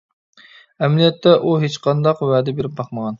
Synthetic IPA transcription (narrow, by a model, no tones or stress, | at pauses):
ɛmlijɛt̪ːɛʔuɦet͡ʃqʰɑnd̪ɑqwɛːd̪ɛbeɾɪp̚bɑqməʁɑn